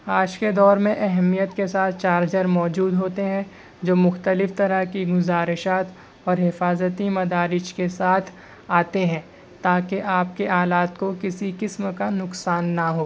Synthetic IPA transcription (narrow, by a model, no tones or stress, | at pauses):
aːd͡ʒked̪ɔːɾmẽʔɛɦɛmijət̪kesaːt̪ʰt͡ʃaːɾd͡ʒəɾmɔːd͡ʒuːd̪ɦoːt̪eɦɛ̃ | d͡ʒoːmʊxt̪əlɪft̪ɐɾəɦkiɡʊzaːɾɪʃaːt̪ | ɔːɾɦɪfaːzət̪imɐd̪aːɾɪʃkesaːt̪ʰ | aːt̪eɦɛ̃ː | t̪aːkeʔaːp̚keʔaːlaːt̪kokɪsikɪsmkanʊksaːnːaɦoː